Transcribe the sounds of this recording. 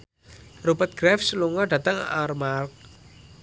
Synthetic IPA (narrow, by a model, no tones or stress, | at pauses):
rupət̪̚ɡ̥ɾɛfsluŋɔɖ̥ä̤t̪əŋa̰rmark̚